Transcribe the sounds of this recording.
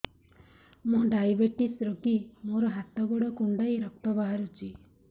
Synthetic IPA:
mũɖajbeʈisɾokimoɾɔɦat̪ɔɡɔɽɔkuɳɖajɾɔk̚t̪ɔbaɦaɾut͡ʃʰi

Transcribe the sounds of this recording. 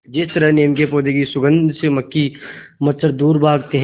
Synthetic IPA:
d͡ʒɪst̪əɾəɦneːmkepoːd̪ekisʊɡə̃nd̪ʱseməkːimɐsəɾd̪uːɾbaːɡ̚t̪eɦ

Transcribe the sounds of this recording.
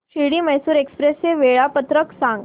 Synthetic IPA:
ɕiɽiːməjsuːɾekspɾeseʋeɭapət̪ɾəksãŋɡ

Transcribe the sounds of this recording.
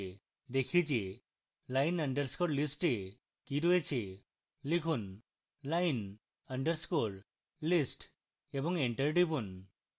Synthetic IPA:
d̪ekʰid͡ʒe | lajnəɳɖəɾskoɾlisʈe | kiɾoet͡ʃʰe | likʰun | lajn | əɳɖəɾskoɾ | lisʈ | ebɔŋeɳʈəɾɖibun

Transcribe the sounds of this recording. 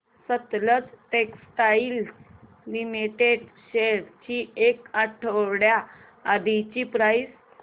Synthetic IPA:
sət̪lət͡sʈeksʈails | limiʈeɖɕeɽt͡ɕiekaʈʰəwɽjaː | d̪it͡ɕipɾajs

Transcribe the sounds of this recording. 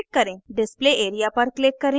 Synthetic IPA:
kkːəɾẽɖispleʔeɾijapəɾklekːəɾẽ

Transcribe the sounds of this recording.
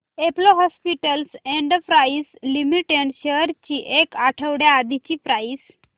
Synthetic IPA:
eploɦɔspiʈəlseɳɖəpɾaislimiʈeɳɖɕeəɾt͡ɕiʔekaʈʰəʋɽjaːd̪ʱit͡ɕiːpɾais

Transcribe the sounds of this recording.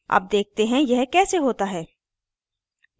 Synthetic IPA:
ɐ̰p̚d̪eːk̚t̪eɦɛ̃jɛɦkɛːseɦoːt̪aɦɛː

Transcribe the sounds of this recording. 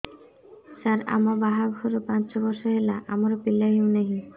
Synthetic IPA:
saɾa̰mɔbaɦabʱuɾɔpãnt͡ʃɔbɔɾsɔɦelaʔamɔɾɔpilaɦiũneɦĩ

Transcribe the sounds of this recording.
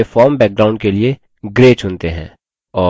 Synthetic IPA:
efɔːɾmbɛːk̚ɡɾaːʊ̃ɳɖkelie | ɡɾeːt͡ʃʊnt̪eɦɛ̰̃ː | ɔː

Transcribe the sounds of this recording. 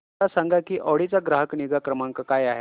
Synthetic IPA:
asaŋɡakiːʔɔɽit͡saɡɾaɦəkniɡakɾəmaŋkəkajaɦe

